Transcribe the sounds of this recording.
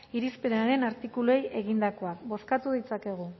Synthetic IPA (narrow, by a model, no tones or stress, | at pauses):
iɾispe̞naɾe̞naɾt̪ikulue̞je̞ɣ̞ind̪ako̞akbo̞skat̪uðit͡sake̞ɣ̞u